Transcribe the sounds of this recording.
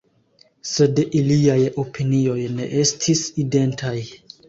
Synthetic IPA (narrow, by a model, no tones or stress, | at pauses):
se̞dʔiliajo̞pʰinio̞jne̞̰ʔe̞stʰiside̞ntʰaj